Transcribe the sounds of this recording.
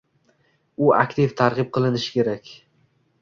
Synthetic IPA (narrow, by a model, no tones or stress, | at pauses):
ʊa̰kʲt̪ʰɪft̪ʰaɾʁɨp̚qʰɨlˠɪnɪʃɪ̥kʲʰe̞ɾakʲ